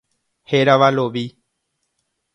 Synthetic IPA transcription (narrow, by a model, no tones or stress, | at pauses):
heɾaʋaloʋi